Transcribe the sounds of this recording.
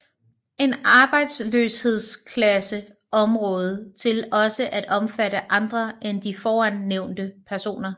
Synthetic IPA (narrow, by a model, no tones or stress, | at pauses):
e̝nɑ̈ːb̥ɑ̈ɪ̰d̥sløːshe̝ð̞̰ˠskʰlæsə | ʔɒ̽mʁɔ̽ːð̞ˠt͡sʰe̝lɒ̽səʔæd̥ɒ̽mfæɾəʔɑ̈nd̥ʁɐʔend̥ifɒːænːeʊ̰nd̥əpʰæɐso̝̰ːnɐ